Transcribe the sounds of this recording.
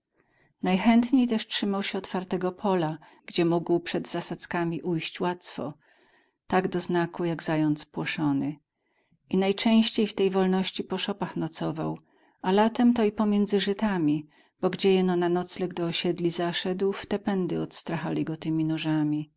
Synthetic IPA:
najxɛnt̪ɲejt̪ɛʂtʂɘmawɕɛɔt̪faɾt̪ɛɡɔpʰɔla | ɡd͡ʑɛmuɡwpʂɛd̪zasat̪skamʲiʔujɕt͡ɕwat̪sfɔ̰ | t̪aɡd̪ɔznakujaɡzajɔnt̪spwɔʂɔnɘ | ʔinajt͡ʂɛ̃w̃ɕt͡ɕejft̪ɛjvɔlnɔɕt͡ɕipɔʂɔpaxnɔt̪sɔva̰w | alat̪ɛmt̪ɔipɔmʲjɛnd̪zɘʐɘt̪amʲi | b̥ɔɡd͡ʑɛjɛnɔnanɔt̪slɛɡd̪ɔːɕɛd̪lʲizaʂɛd̪wft̪ɛpɛnd̪ɘɔt̪st̪ɾaxalʲiɡɔt̪ɘmʲinuʐamʲi

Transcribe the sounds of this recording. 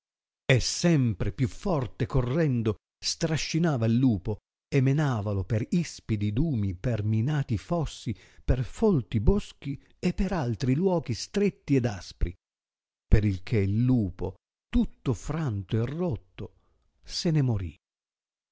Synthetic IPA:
esɛmpɾepjufːɔrt̪ekorːɛnd̪o | st̪ɾaʃːinaːvailːuːpo | emːenaːvalopeɾispid̪id̪uːmiperminaːt̪ifɔsːi | perfɔlt̪iboski | epːeɾalt̪ɾilwɔːɡist̪ɾet̪ːiɛd̪aspɾḭ | peɾilkʰeilːuːpo | t̪ut̪ːofɾant̪oerːot̪ːo | senemoɾi

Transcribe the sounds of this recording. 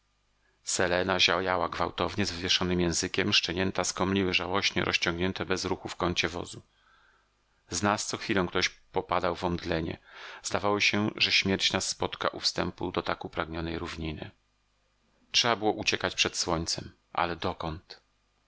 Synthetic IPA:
sɛlɛnaʑajawaɡvawt̪ɔvɲɛzvɘvʲjɛʂɔnɘmjɛ̃w̃zɘkʲɛmʂt͡ʂɛɲɛnt̪askɔmlʲiwɘʐawɔɕɲɛ̰ɾʔɔɕt͡ɕɔ̃ŋɡɲɛnt̪ɛbɛzɾuxufkɔɲt͡ɕɛvɔ̰zu | znast̪sɔxfʲilɔ̃w̃kt̪ɔɕpɔpad̪awvɔnd̪lɛɲɛ̰zd̪avawɔɕɛʐɛɕmʲjɛɾt͡ɕnasːpɔt̪ka̰ʔufst̪ɛmpud̪ɔt̪akupɾaɡɲɔnɛjɾuvɲinɘ̰ | tʂɛbabɘwɔʔut͡ɕɛkat͡ɕpʂɛt̪swɔɲt̪sɛm | ʔa̰lɛd̪ɔkɔnt̪

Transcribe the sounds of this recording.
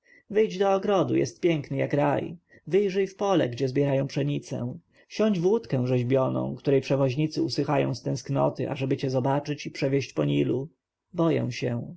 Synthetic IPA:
vɘjd͡ʑd̪ɔːɡɾɔd̪ṵjɛ̰st̪̚pʲjɛŋknɘjakɾaj | vɘjʐɘjfpɔlɛ̰ɡd͡ʑɛzbʲjɛɾajɔ̃w̃pʂɛɲit̪sɛ̰̃ | ɕɔɲd͡ʑvwut̪kɛ̃w̃ʐɛʑbʲjɔnɔ̰̃w̃kt̪uɾɛjpʂɛvɔʑɲit̪sɘusɘxajɔ̰̃w̃st̪ɛ̃sknɔ̰t̪ɘʔa̰ʐɛbɘt͡ɕɛzɔbat͡ʂɘt͡ɕipʂɛvʲjeɕt͡ɕpɔɲilu | bɔjɛ̰w̃ɕɛ

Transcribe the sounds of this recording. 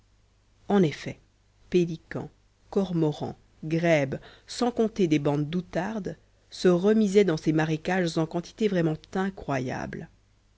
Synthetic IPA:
ɑ̃nefɛ | pelikɑ̰̃ | kɔʁmɔʁɑ̰̃ | ɡʁɛbsɑ̃kɔ̃t̪ed̪ebɑ̃d̪ːut̪aʁd̪ | səʁəmizɛd̪ɑ̃semaʁekaʒzɑ̃kɑ̃t̪i̥t̪evʁɛmɑ̃t̪ɛ̃kχwaja̰bl

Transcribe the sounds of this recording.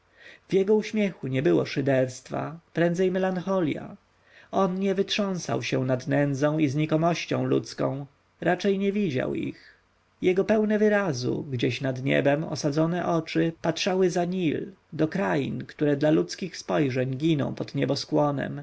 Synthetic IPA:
vjɛɡɔuɕmʲjɛxuɲɛbɘwɔ̰ʂɘd̪ɛɾst̪fa̰pɾɛnd̪zɛjmɛlanxɔlʲja̰ | ɔnɲɛvɘtʂɔ̃w̃sa̰wɕɛw̃nad̪nɛnd̪zɔ̃w̃izɲikɔmɔɕt͡ɕɔ̰̃w̃lṵt̪skɔ̰̃w̃ | ɾat͡ʂɛjɲɛvʲid͡ʑa̰wḭx | jɛɡɔpɛwnɛvɘɾazṵɡd͡ʑɛɕnad̪ɲɛ̰bɛmɔ̰sad̪zɔnɛʔɔt͡ʂɘpatʂawɘzaɲild̪ɔkɾajḭnkt̪uɾɛd̪lalut̪skʲixspɔjʐɛɲɡʲinɔ̰̃w̃pɔd̪ɲɛbɔskwɔnɛ̰m

